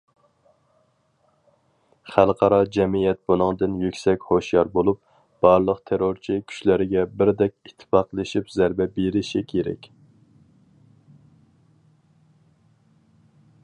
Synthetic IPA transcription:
χælˠqʰɑɾɑd͡ʒɛmijɛt̪̚bunɨŋd̪ɨnjykʲsɛkʲhoʃjɑɾbolˠup̚ | b̥ɑɾlˠəqt̪ʰeɾoɾt͡ʃʰikʲʰy̥ʃlæɾɪɡʲɛbɪɾd̪ɛkʲit̪ʰːɪ̥fɑqlˠɨʃipzæɾbɛbeɾɪʃikʲʰeɾɛ̰kʲ

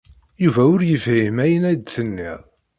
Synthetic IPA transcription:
juvæʊɾjəvhimæjənæd̪θənːiʁˤ

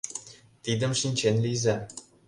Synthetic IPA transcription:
t̪id̪ə̆mʂinʲt͡ɕenʲlizæ

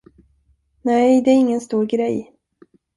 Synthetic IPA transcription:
nɛjd̪ɛæɾɪŋːənst̪uːɾɡɾɛj

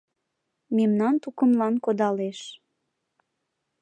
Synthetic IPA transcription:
memnɑnt̪ukəmlɑnkod̪ɑleʃ

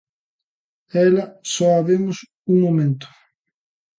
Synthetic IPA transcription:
ɛlɐsɔaβemʊs | uŋmomẽnt̪ʊ̥

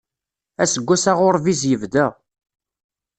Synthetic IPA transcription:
æsəɡʷːæsaʁʊɾˤvizjəvd̪æ

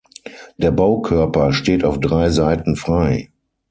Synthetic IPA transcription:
d̥eːɐbaʊkʰœɐpɐʃteːtaʊfd̥ʁaɪzaɪtn̩fʁ̥aɪ

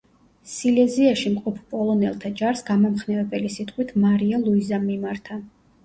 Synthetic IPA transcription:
silɛziaʃimqʼɔpʰpʼɔlˠɔnɛlˠt̪ʰad͡ʒaɾsɡamɔmχnɛvɛbɛlisit̪ʼqʼwit̪ʰmaɾialˠuizamːimaɾt̪ʰa

